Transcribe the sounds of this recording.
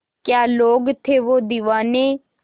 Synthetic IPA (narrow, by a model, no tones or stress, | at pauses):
kjaːloːɡt̪ʰeːʋoːd̪iʋaːneː